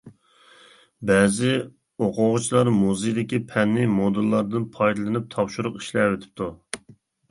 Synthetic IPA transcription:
bɛːzɪ | oqʰʊʁʊt͡ʃʰilˠɑɾmuzɨjd̪ɪkʲipʰɛnːɪmod̪ɨlˠːɑɾd̪ɨnpʰɑjd̪ɨlˠɨnɨp̚t̪ʰɑpʃuɾʊqi̥ʃlɛwet̪ʰɪ̥p̚t̪ʰu

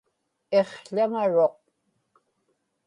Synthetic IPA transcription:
e̞χɬaŋaɻo̞q̚

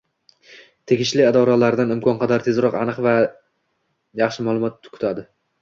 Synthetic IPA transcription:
t̪ʰe̞ɡʲɪʃlɪad̪ɒɾalaɾd̪anɪmkʰɒnqʰɑd̪aɾt̪ʰezɾɒqa̰nɨqva | jɑχʃɪmaːlˠʊmɒt̪ːkʰʊ̥t̪ʰad̪ɪ

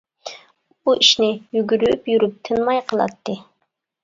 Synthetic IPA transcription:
b̥uʔiʃnɪjyɡʲyɾyypjyɾyp̚t̪ʰɨnmɑjqʰəlˠɑ̰t̪ːɨ

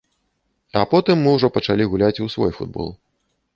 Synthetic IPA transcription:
ɐpɔt̪ɨmːɨwʐɔpɐt͡ʂalʲiɣulʲat͡sʲusvɔ̰jfṵd̪̚bɔ̰lˠ

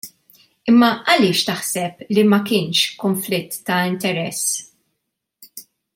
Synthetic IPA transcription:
ɪmːɐʔɐlɪːʃt̪ɐħsɛplimɐkɪːnʃkʊnflɪt̪ːɐɪnt̪ɛɾɛsː

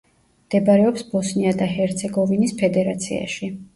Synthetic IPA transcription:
md̪̥ɛbaɾɛɔpsbɔsniad̪aɦɛɾt̪sʰɛɡɔvinispʰɛd̪ɛɾat̪sʰḭa̰ʃi

